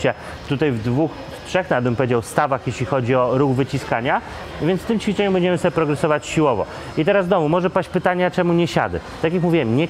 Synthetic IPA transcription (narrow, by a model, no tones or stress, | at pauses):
ɕɛ | t̪ut̪ajvd̪vux | t̪ʂɛxnadbɘmpɔvʲjed͡ʑawst̪avaxjeɕlʲixɔd͡ʑiɔɾuɣvɘt͡ɕiskaɲa | vʲjɛnt̪st̪ɘmt͡ɕfʲit͡ʂɛɲumbɛɲd͡ʑɛmɘsɔbʲɛpɾɔɡɾɛsɔvat͡ɕɕiwɔvɔ̰ | it̪ɛɾazd̪ɔmumɔʐɛpaɕt͡ɕpɘt̪aɲat͡ʂɛmuɲɛɕa̰d̪ɛ̰t̪akjakmuvʲiwɛmɲɛ